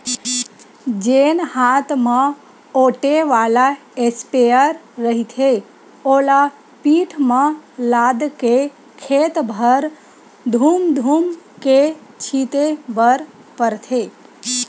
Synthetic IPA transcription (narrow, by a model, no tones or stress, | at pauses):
d͡ʒenhat̪mã | oʈeʋala | espeəɾːəɦit̪ʰe | ola | piʈʰmãlad̪ke | kʰet̪bʱəɾ | d̪ʱuːmd̪ʱumket͡ʃʰit̪ebəɾ | pəɾt̪ʰe